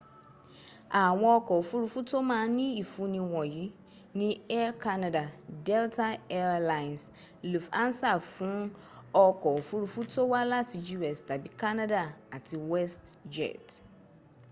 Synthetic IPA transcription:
a˨w̃ɔ̃˦ɔ˧kɔ˨o˨fu˦ɾu˦fu˦to˦mãː˨˦nĩ˦i˨fũ˨nĩ˧wɔ̃˨ji˨˦ | nĩ˦ɛ˦kʰa˦na˨da˨dɛ˦ltʰa˦ɛ˦ɾla˨ns | lu˨fã̰˦n˦sa˦˨fũ˨˦ | ɔ˦kɔ˨fu˦ɾu˨fu˦to˦wa˦la˦ti˨d͡ʒu˦ɛ˨sda˨bi˨ka˦na˦da˨a˨tʰi˨wɛ˦std͡ʒɛ̰˨t

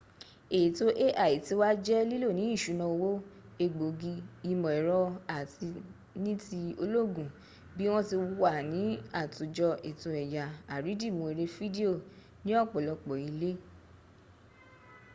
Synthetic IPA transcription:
e˨i˨to˦ʔe˦ʔa˨i˨ti˧˦wa˦d͡ʒɛ˦li˦lo˦˨nĩ˨˦i˦˨ʃu˨˦nã˧wo˦ | e˧ɡ͡bo˨ɡi˧i˧mɔ̃˨ɛ˨ɾɔ˧a˦˨ti˧ | nĩ˦ti˧o˧lo˦˨ɡũ˨ | bi˦w̃ɔ̃˦ti˧wa˦˨nĩ˨˦a˦˨tu˨d͡ʒɔ˧ʔe˨tõ˨ɛ˨ja˨a˨ɾi˨˦di˦˨mũ˨e˨˧ɾe˧fi˦di˦o˦˨ | nĩ˨˦ɔ˦˨k͡pɔ˨lɔ˧k͡pɔ˨i˨˧le˦

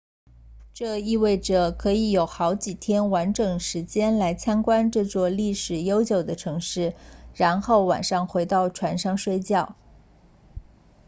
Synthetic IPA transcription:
ʈ͡ʂɤ˥˧i˥˧we˥˩ɪʈ͡ʂɤ˨˩kʰɤ˧˥i˧˥jo˨˩ʊxɑ˧˥ʊt͡ɕi˨˩t̪ʰjɛ˥nwa˧˥nʈ͡ʂɤ˨˩ŋʂɻ̩˧˥t͡ɕjɛ˥nla˧˥ɪt͡ɕʰjɑ˥ŋkwa˥nʈ͡ʂɤ˥˧t͡swɔ˥˧li˥˩ʂɻ̩˨˩jo˥ʊt͡ɕjo˨˩ʊd̪ə˦ʈ͡ʂʰɤ˧˥ŋʂɻ̩˥˩ɻa˧˥nxo˥˩ʊwa̰˨˩nʂɑ˥˩ŋxwe˧˥ɪt̪ɑ˥˩ʊʈ͡ʂʰwa˧˥nʂɑ˥˧ŋʂwe˥ɪt͡ɕjɑ˥˩ʊ

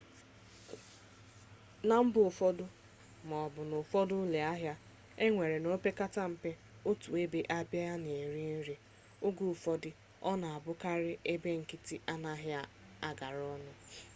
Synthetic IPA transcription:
na˨m̩˦bʊ˨fɔ˦dʊ˦ | mɔ˨bʊ˨nʊ˨fɔ˦dʊ˦le˨a˦ɦja˦ | e˦ŋʷe˨ɾe˨no˦pe˦ka˦ta˦m̩˨pe˦ | o˦tu˨e˦be˦ʔa˦bja˦a˦ne˨ɾi˦n̩˦ɾi˦ | ʊ˦ɡu˦˨fɔ˦dɪ˦ | ɔ˦na˨a˨bʊ˦ka˦ɾɪ˦ʔe˦be˦ŋ̩˨ki˦ti˦ʔa˦na˦ɦja˦ | a˦ɡa˨ɾɔ˦nʊ˦

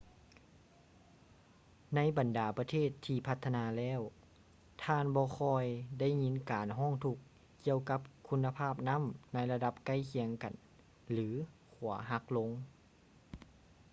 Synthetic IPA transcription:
na˧˥jba˨˩ndaː˨˩pa˧t̪ʰeː˥˩t̪ʰːiː˧pʰa˧˥t̪ʰːa˧naː˧lɛː˥˨w | t̪ʰaː˧˨nbɔː˧xʰɔː˧jda˥˩˨jŋi˧˥nkaː˨nɦɔː˥˩˨ŋt̪ʰu˧k̚ | ki˧əwka˧˥p̚kʰu˧˥nːa˧pʰaː˥˩p̚na˧˥˨mna˧˥jla˧da˧p̚ka˧˥˩jkʰi˧əŋka˨˩n | lɯː˩˨˦kʰu˨˩˦ɐɦa˧˥k̚lo˧˥ŋ

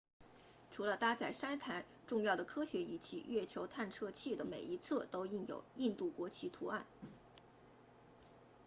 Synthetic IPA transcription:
ʈ͡ʂʰu˧˥lə˧t̪a˥t͡sa˥˩ɪʂa˥nt̪ʰa˧˥n | ʈ͡ʂʊ˥˧ŋjɑ˥˩ʊd̪ə˩kʰɤ˥ɕɥɛ˧˥i˧˩t͡ɕʰḭ˥˩ɥɛ˥˩t͡ɕʰjo˧˥ʊt̪ʰa˥˧nʈ͡ʂʰɤ˥˧t͡ɕʰi˥˩d̪ə˩me˨˩ɪi˧˥t͡sʰɤ˥˩t̪o˥ʊi˥˩njo̰˨˩ʊi˥˧nt̪u˥˩kwɔ˧˥t͡ɕʰi˧˥t̪ʰu˧˥a˥˩n

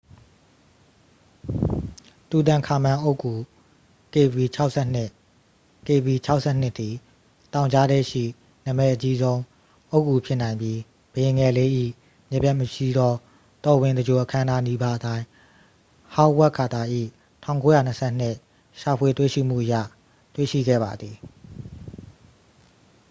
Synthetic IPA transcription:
tu˨t̪ã˨ŋkʰa˨mã˨ʔo˦ʊkːu˨ | ke˨bi˨t͡ɕʰa˦ʊʔsʰɛ˦˨n̥ɪ˦˨ʔ | ke˨bi˨t͡ɕʰa˦ʊʔsʰɛ˦˨n̥ɪ˦ʔt̪ːi˨ | tã˨ʊ̃ɲt͡ɕa˦dɛ˦˨ʃḭ˦˨ | na˨mɛ˦ʔət͡ɕi˦zõ˦ʊ̃ | ʔo˦kːu˨pʰjɪ˦nã˨ɪ̃mbji˦ | bə˨jɪ̃˨ŋɛ˨le˦ʔḭ˦˨ | mjɛ˦˨pjɛ˦ʔməʃi˦˨d̪ɔ˦ | t̪ɔ˨wɪ̃˨nd̪ə˨d͡ʑo˨ʔəkʰã˦ə̃˦nda˦ni˦ba˦ʔətã˦ɪ̃ | hã˦wɛ˦ʔkʰːa˨t̪a˨ʔḭ˦˨ | tʰã̰˦˨ʊ̃ŋko˦ja̰˦˨nə˨sʰɛ̰˦n̥ɪ˦˨ | ʃa˨pʰwe˨twḛ˦˨ʃḭ˦˨m̥ṵ˦˨ʔəja̰˦˨ | twe˦˨ʃḭ˦˨ɡɛ̰˦˨ba˨d̪ði˨

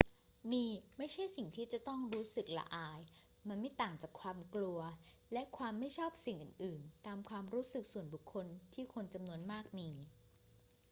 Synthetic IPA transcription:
miː˧ma˥˩jt͡ɕʰa˥˩jsi˨˩ŋt̪ʰiː˥˩t͡ɕa˨˩t̪ɔ˥˩ŋɾuː˦˥sɯ˨˩k̚la̰˧ʔaː˧j | ma˧nma˥˩jt̪aː˨˩ŋt͡ɕaː˨˩kʰwaː˧mklu˧ɐlɛ˦˥ʔkʰwaː˧mːa˥˩jt͡ɕʰɔː˥˩p̚si˨˩ŋʔɯ̰ː˨˩nʔɯː˨˩nt̪aː˧mkʰwaː˧mɾuː˦˥sɯ˨˩k̚su˨˩ənbu˨˩kʰːo˧nt̪ʰiː˥˩kʰo˧nt͡ɕa˧mnu˧ənmaː˥˩k̚miː˧

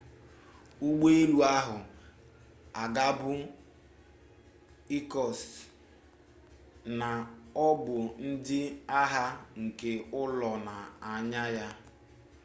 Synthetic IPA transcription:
u˦ɡ͡be˦e˦lu˨a˦ɦʊ˨ | a˨ɡa˦bʊ˦ | i˦kɔ˨s | na˨ɔ˦bʊ˨n̩˦dɪ˦a˦ɦa˦ŋ̩˨ke˨ʊ˦lɔ˨na˨a˨ɲa˦ja˦

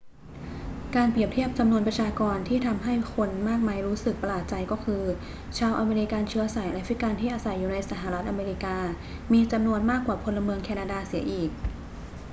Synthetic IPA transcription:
kaː˧npɾi˨˩əp̚t̪ʰi˥˩əp̚t͡ɕa˧mnu˧ənpɾa˧t͡ɕʰaː˧kɔː˧nt̪ʰiː˥˩t̪ʰa˧mɦa˥˩jkʰo˧nmaː˥˩k̚maː˧jɾuː˦˥sɯ˨˩k̚pa˧laː˨˩t̪̚t͡ɕa˧jkɔː˥˩kʰɯː˧ | t͡ɕʰaː˧wʔa˧meː˧ɾi˦˥ka˧nt͡ɕʰɯ˦˥ɐsa˨˩˦jlɛ˦˥fɾi˦˥ka˧nt̪ʰiː˥˩ʔaː˧sa˨˩jːuː˨˩na˧jsa˧˩ɦa˨˩ɾa˦˥t̪ʔa˧meː˧ɾi˦˥kaː˧ | miː˧t͡ɕa˧mnu˧ənmaː˥˩kːwaː˨˩pʰo˧nlːa˧mɯ˧əŋkʰɛː˧naː˧daː˧si˩˦ɐʔiː˨˩k̚

